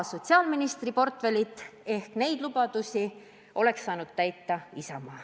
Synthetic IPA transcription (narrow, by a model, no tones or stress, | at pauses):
so̞t̪siɑːlminist̪ripo̞rt̪ve̞lʲit̪ːˑe̞hkne̞jd̪̥lub̥ɑd̪̥usʲi | ʔo̞le̞ksːɑːnud̪̥̚t̪æjt̪ːˑɑisɑmɑː